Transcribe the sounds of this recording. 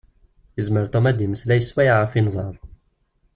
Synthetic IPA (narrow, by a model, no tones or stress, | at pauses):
jəzməɾt̪omæd̪iməslæjəswæjʕafinzˤɑðˤ